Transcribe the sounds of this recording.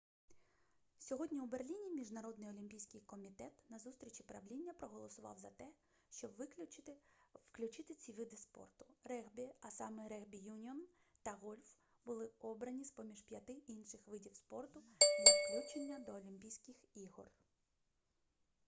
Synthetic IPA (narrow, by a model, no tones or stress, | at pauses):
sʲɔɦɔdʲnʲiuberlʲinʲimʲiʒnɐɾɔd̪nɪjɔlʲimʲpʲijsʲkɪjkɔmʲit̪ɛt̪nɐzust̪ʲɾʲit͡ʃʲipɾɐʋlʲinʲːɐpɾɔɦɔlˠɔsʊʋɑ̰wzɐt̪ɛ | ʃt͡ʃɔbʋ | wklʲut͡ʃɪt̪ɪt͡sʲiʋɪd̪ɪspɔ̰rt̪ʊ̥rɛbʲiɐsɑmɛɾɛɣbʲijunʲiɔn | t̪ɐɣɔlʲf | bʊlˠɪɔbɾɐnʲispɔmʲiʒpʲjɐt̪ɪʔinʃɪxʋɪdʲiwspɔrt̪ʊdɐfklʲut͡ʃenʲːɐd̪ɔːlʲimʲpʲijsʲkɪxiɦɔ̰r